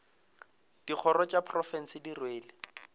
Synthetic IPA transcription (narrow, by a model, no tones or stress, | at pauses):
d̥ik͡xʰɔɾɔt͡ʃʼapʰrɔfɛn̩sɪdirweːlɪ